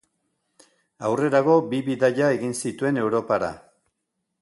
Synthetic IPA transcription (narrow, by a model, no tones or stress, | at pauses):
awre̞ɾaɣo̞biβiðaʎae̞ɣinsit̪ue̞ne̞wɾo̞paɾa̰